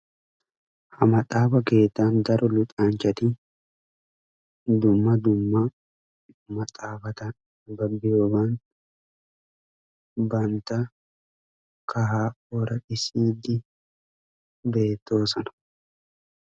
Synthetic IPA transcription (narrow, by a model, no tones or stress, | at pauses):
hɐmɐt̪ʼaːbɐke̞ːt̪ːaːnd̪ɐɾʔɔlʊt̪ʼaːnt͡ʃɐt̪i | d̪ʊmːɐd̪ʊmːɐ | mɐt̪ʼaːfɐt̪ɐn | bɐbːɪjoːbaːn | bɐnt̪ɐ | kɐɦaːʔɔɾɐʔɪsiːd̪ɪ | be̞ːt̪ːo̞ːsɐnɐ̥